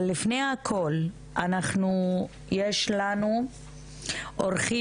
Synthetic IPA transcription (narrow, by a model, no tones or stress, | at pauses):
lːifnejakʰo̞l | ʔanaχnu | jeʃlanu | ʔoʁχi